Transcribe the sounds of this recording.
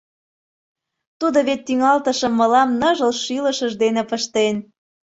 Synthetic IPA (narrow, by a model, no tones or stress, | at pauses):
t̪ud̪oβet̪ːyŋɑlt̪əʃəmːə̆lɑmnɤʒəlʃylə̆ʃəʒd̪enepəʃt̪en